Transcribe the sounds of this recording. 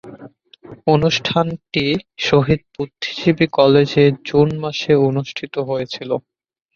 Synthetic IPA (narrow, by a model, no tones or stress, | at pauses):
onuʃʈʰanʈiʃoɦid̪̚put̪ʰːi̥ʃibikɔled͡ʑed͡ʑunmaʃeonuʃʈʰit̪oɦojet͡ɕʰilo